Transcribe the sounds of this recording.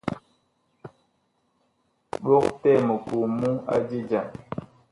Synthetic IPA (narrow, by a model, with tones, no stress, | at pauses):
ɓo˦k̚tɛ˦˨mə˨ku˨mu˦a̰˦d͡ʒi˦d͡ʒa˨